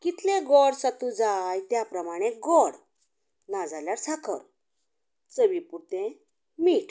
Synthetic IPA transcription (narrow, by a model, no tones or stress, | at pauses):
kit̪lẽɡɔɽsat̪ud͡zajt̪japɾəmaɽ̃eɡɔɽ | nad͡zaljaɾsʰakʰə̰ɾ | t͡səʋipuɾt̪ẽ | miːʈ